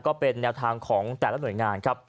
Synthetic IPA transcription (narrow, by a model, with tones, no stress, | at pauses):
kɔː˥˩pe˧nːɛː˧wt̪ʰaː˧ŋkʰɔː˩˦ŋt̪ɛː˨˩la˦˥nu˩əjŋaː˧nkʰa˦˥p̚